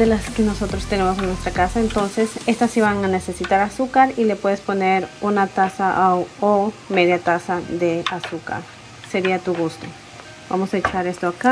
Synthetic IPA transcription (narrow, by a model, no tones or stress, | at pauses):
elaskeno̞so̞t̪ɾo̞st̪e̞ne̞mo̞seŋnwe̞st̪ɾakasaent̪o̞nse̞se̞st̪asːiβaŋane̞se̞sit̪aɾasukaɾile̞pwe̞ðe̞spo̞neɾunat̪asaʔawome̞ðjat̪asaðe̞asuka̰ɾ | se̞ɾiat̪uɣust̪o̞ | ba̰mo̞saet͡ʃaɾe̞st̪oaka